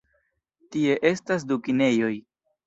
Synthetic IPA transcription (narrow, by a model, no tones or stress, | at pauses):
tie̞ʔe̞stas̬dukine̞jo̞j